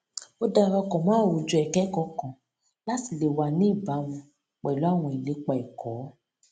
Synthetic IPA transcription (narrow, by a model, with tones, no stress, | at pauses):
o˦da˧˦ɾɔ˧kɔ̃˨mãː˦˨ɾo˨d͡ʒu˧˦ɛ˨kɛ˦kɔ˧˦kɔ̃˨ | la˦ti˨le˨wa˨nĩ˦i˦˨ba˨˦wũ˧ | k͡pɛ˨lo˨˦a˦˨w̃ɔ̃˧i˨le˨˦k͡pa˨i˨kʰɔː˨˦